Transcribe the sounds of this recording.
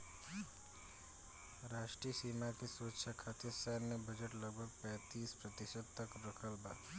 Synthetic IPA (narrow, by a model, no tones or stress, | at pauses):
ɾaːʃʈɾisiːmakisoːtʃʰakʰat̪ʰesɛɾnebəd͡ʒəʈləɡ̚bʱəɡ̚pɛ̃ːt̪iːspɾət̪ɪʃəd̪̚t̪əkɾəkʰəlbaːt̪